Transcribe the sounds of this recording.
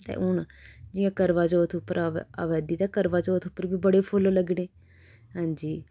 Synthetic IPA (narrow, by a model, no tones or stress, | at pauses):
t̪ḛːʔʊnad͡ʒɪjãːkəɾʋaːt͡ʃoːt̪ʰʊpːəɾaa̰ːʋɛːd̪iːt̪aːkəɾʋaːt͡ʃɔːt̪ʰʊpːəɾbiːbəɽeːpʰolːləɡɽeː | ɦãːɲd͡ʒiː